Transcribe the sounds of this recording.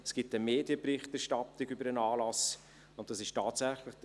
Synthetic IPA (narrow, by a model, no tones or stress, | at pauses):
ɛsɡ̥ɪp̚təmeːdjəprɪχtɛɾʃtɑtɪɡʏbəɾənɑːlɑs | ʊnt̚d̥ɑsɪʃtaːtsæχləχd̥